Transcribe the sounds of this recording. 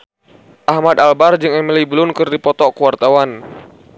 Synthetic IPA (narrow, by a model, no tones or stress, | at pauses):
ʔahmad̪albard͡ʒɨŋɛmilibəlʊnkɨrdipɔt̪ɔkuwart̪awan